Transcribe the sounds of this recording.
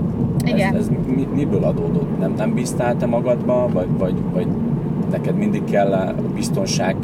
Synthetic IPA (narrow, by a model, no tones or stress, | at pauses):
iɛzɛzmimibøːlɒd̪oːd̪o̞t̪nɛmnɛmbist̪aːlt̪ɛmɒɡɒd̪bɒnvɒɟvɒɟvɒɟ | nɛkɛd̪mind̪ikkːɛlː | bist̪onʃaːɡ